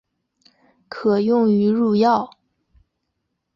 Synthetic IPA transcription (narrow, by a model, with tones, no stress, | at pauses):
kʰɤ˨˩jʊ˥˩ŋy˧˥ɻu˥˧jɑ˥˩ʊ